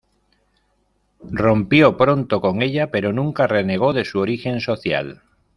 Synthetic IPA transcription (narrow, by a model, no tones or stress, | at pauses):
ro̞mpjo̞pɾo̞nt̪o̞ko̞ŋe̞ʎape̞ɾo̞nũŋkare̞ne̞ɣ̞o̞ðe̞suoɾixe̞nso̞θja̰l